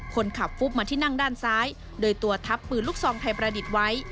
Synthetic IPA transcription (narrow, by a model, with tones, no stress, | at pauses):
kʰo˧nkʰa˨˩p̚fuː˦˥˩p̚maː˧iː˥˩na˥˩ŋdaː˥˩nsaː˦˥j | doː˧jt̪u˧ɐt̪ʰa˦˥pːɯː˨˩nlu˥˩k̚sɔː˨˦ŋt̪ʰa˧jpɾaː˧di˨˩t̪̚wa˦˥j